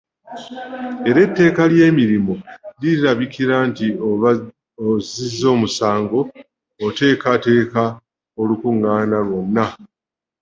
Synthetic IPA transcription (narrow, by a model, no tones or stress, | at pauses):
e̞ɾe̞tːe̞ːkalje̞ːmiɾimo̞liɾaβikiɾanti | ozizːo̞ːmusaːŋɡo̞ː | te̞ːkate̞ːka | o̞lukuŋːaːnalwo̞nːa